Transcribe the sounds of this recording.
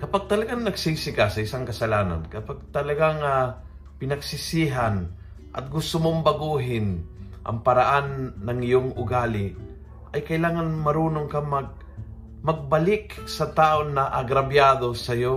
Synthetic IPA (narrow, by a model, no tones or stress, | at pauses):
kɐpaɡ̚t̪ɐlɐɡaŋnɐɡsisɪkasɐɪsaŋkɐsɐlaːna̰nkɐpaɡ̚t̪ɐlɐɡaŋa | pɪnɐɡsɪsiɦan | ʔɐ̰t̪̚ɡʊst̪omombɐɡuɦɪn | ʔɐ̰ŋpɐɾaʔanːɐŋɪjoŋʔʊɡaːlɪ | ʔɐjkɐɪlaːŋanmɐɾuːnoŋkamɐɡ̚ | mɐɡ̚bɐlɪksɐt̪aːʔonːɐʔɐɡɾɐbjaːd̪o̞sɐjo